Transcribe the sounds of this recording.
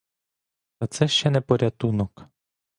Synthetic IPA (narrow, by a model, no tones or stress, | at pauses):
t̪ɐt̪sɛʃt͡ʃɛnɛpɔɾʲat̪unɔk